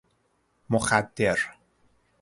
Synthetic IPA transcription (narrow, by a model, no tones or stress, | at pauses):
moxæd̪ːeɾ